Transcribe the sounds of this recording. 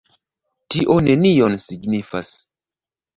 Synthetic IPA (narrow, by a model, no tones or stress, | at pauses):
tiʔo̞ne̞nio̞nsiɡnifa̰s